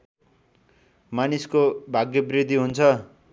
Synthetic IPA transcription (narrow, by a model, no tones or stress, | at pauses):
maniskobʱaɡjʌbrid̪ʱiɦunt͡sʰʌ